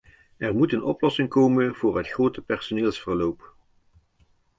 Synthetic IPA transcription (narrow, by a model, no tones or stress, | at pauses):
ɛrmutənɔplɔsɪŋkowmənv̥ʊːɹɦətχrowtəpɛɹsoneːlˠsfəɹlowp